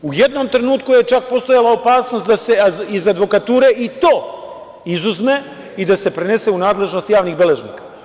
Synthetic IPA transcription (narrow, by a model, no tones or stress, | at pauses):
uje̞d̪no̞mt̪ɾe̞nuːt̪kuje̞t͡ʃak̚po̞st̪o̞jalˠao̞paːsno̞st̪d̪ase̞izad̪ʋo̞kat̪uːɾe̞ʔit̪o̞ː | izuzme̞ | id̪ase̞pɾe̞ne̞se̞unaːd̪le̞ʒno̞st̪jaːʋniɣbe̞le̞ʒnḭkḁ